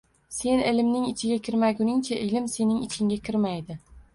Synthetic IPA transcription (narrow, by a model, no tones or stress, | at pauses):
se̞nɪlɪmnɪŋɪt͡ʃʰɪɡʲakʲʰɪɾmaɡʲʊnɪŋt͡ʃʰaʔɪlɪmse̞nɪŋɪt͡ʃʰɪŋɡʲakʲʰɪɾmajd̪ɪ